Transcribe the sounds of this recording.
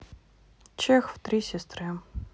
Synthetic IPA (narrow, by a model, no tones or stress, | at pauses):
t͡ɕexft̪ɾʲisʲɪst̪ɾɨ